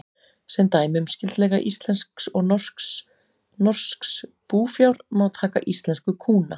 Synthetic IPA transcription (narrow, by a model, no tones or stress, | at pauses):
sɛmt̪aːjmʏmscɪlt̪lɛːɣaʔist̪lɛnsksɔɣnɔr̥ks | nɔr̥skspuːfjawɾmawt̪ʰaːka̰ʔist̪lɛnskʏkʰuːna